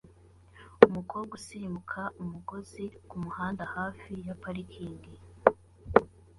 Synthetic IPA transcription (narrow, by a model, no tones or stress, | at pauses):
umukoːɡusiimukʰaumuɡo̞zikumuhaːndahaːfijapaɾikʰiːndi